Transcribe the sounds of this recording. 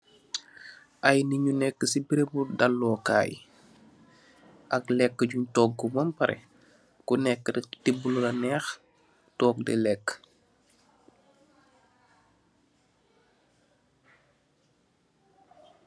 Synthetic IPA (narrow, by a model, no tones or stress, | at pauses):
ʔɐjniɲunɛkːəsibiɾebudalːɔːka̰ːj | ʔɐklɛkːəɟuɲtɔːɡːumɐmpɐɾʔɛ̰ | kunɛkːədtibːululɐnɛːx | tɔːk̚dɛ̰lɛkː